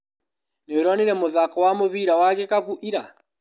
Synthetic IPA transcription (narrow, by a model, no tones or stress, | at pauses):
neɾɔniɾɛmoðakɔwamoβiɾawakekakuʔiɾa